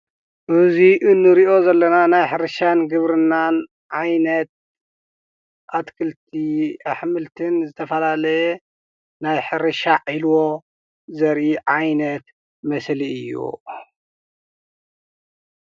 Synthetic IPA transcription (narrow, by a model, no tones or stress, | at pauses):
ʔɨziʔɨnːɨɾiʔo̞zɐlːɐnanajħɨɾɨʃanɡɨβɾɨnːan | ʕajnɐt̪̚ | ʔat̪kʰɨlt̪ʰiʔaħmɨlt̪ʰɨnzɨt̪ʰɐfɐlalɐjɛ | najħɨɾɨʃaʕilwo̞ | zɐɾʔiʕajnɐt̪ | mɐsliɨjːṵ